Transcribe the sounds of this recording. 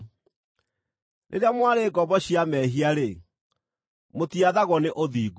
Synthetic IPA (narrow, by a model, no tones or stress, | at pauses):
nʔḛɾeamwaɾeːɡɔbɔɕiamɛːɦiaɾe | motiaðaɣɔneʔoðiːɡu